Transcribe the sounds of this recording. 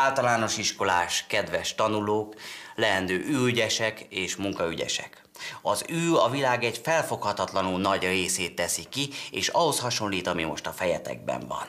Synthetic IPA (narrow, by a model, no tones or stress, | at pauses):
aːlt̪ɒlaːno̞ʃiʃko̞laːʃkɛd̪ʋɛʃt̪ɒnuloːklɛɦɛnd̪øːʔyːyɟɛʃɛkeːʃmuŋkɒyɟɛ̰ʃɛ̰k | ɒzyːɒvilaːɡɛɟfɛlfo̞khɒt̪ɒt̪lɒnunɒɟreːseːt̪ːɛsikieːʃɒɦo̞shɒʃo̞nlːiːt̪ɒmimo̞̰ʃt̪ɒfɛjɛt̪ɛ̰ɡ̚bɛ̰ɱvɒ̰n